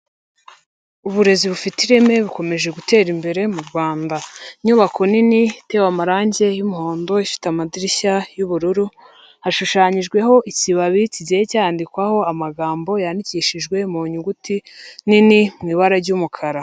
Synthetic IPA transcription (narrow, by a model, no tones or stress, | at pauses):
uβuɾe̞ziβufitiɾe̞me̞βiko̞me̞ʒe̞ɡute̞ːɾimbe̞ɾe̞muɾɡwaːndaɲuːβakʰo̞ninite̞wamaɾaːɲɟe̞jumuho̞ːndo̞ifi̥tamadiɾiçajuβuɾuɾu | haʃuʃaːɲiʒɡwe̞ɦo̞ʔiciβaβiciɟejecaandikwaho̞amaɡaːmbo̞jandiciːʃiʒɡwe̞muɲuɡutininimŋiːβaɾaɾɟuːmukʰaɾa